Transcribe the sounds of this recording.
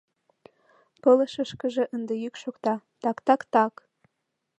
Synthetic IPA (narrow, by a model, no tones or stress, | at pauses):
pələʃəʃkə̆ʒĕʔənd̪ejykʃokt̪ɑt̪ɑkt̪ɑkt̪ɑk